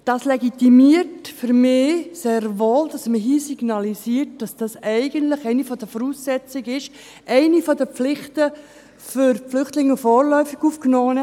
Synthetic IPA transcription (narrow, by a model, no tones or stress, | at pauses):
d̥ɑslɛɡit̪imiərtfʏɾmɪːseːɾʋoːldɑsməɦiːsiɡnɑlisiːərt̚d̥ɑsd̥ɑsɛɪɡəntləχɛɪnifɔd̥əfɔɾuːsːɛt͡sɪɡɪʃ | ʔɛɪnifɔdəpp͡flɪχtə | fʏɾflʏχtlɪŋːəfɔːrlœʏfiɡuːfknɔːnə